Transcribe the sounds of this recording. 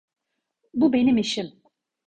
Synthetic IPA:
bubenimiʃim

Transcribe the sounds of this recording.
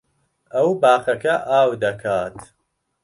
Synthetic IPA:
ɐwbaːχɐkʰɐʔaːwd̪ɐkʰaːt̪

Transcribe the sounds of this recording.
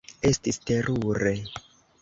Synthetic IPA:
e̞stiste̞ɾuɾe̞

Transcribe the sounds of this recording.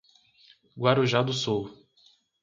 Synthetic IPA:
ɡwaɾuʒad̪ʊsuw

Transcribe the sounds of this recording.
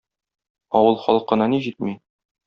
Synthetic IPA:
ɒwɤlˠχɒlˠɤqːɤ̆nɑniʑit̪̚mi

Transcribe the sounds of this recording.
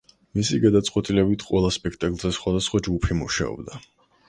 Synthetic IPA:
misiɡad̪at̪sʼqʼwɛt̪ʼilɛbit̪ʰqʼwɛlˠaspʼɛkʰt̪ʼakʼlˠzɛsχwad̪asχwad͡ʒɡupʰimuʃa̰ɔ̰bd̪a

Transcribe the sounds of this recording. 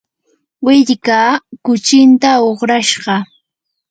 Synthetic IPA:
wɪʎkaːkʊt͡ʃɪnt̪aoχɾaʃɢɑ

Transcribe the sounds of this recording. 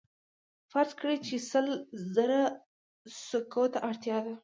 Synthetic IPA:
faɾzkɽet͡ʃesəlzəɾa | sokot̪aʔaɽt̪jɑd̪a

